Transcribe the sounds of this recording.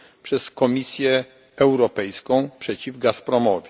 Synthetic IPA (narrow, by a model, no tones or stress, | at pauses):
pʂɛskɔmʲisʲjɛ | ɛwɾɔpɛjskɔ̃w̃pʂɛt͡ɕivɡaspɾɔmɔvʲɛ